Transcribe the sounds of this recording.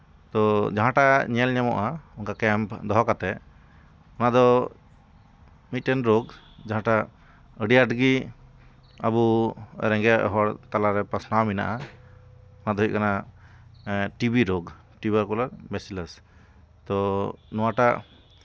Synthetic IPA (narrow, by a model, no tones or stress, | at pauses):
t̪ɔd͡ʒaɦãʈaɲɛlɲɛmɔ̰ʔauŋkakɛmpd̪ɔɦɔkat̪ɛ | ɔnad̪ɔ | mit̪ʈɛnɾoɡ | d͡ʒaɦãʈa | əɖiaʈɡi | a̰buɾɛ̃ŋɡɛʔɦɔɽt̪alaɾɛpasnawmina̰ʔa | ɔnad̪ɔɦujʔ̚kana | ʈibiɾoɡ | ʈibaɾkɔlaɾbɛsiləs | t̪ɔnɔwaʈa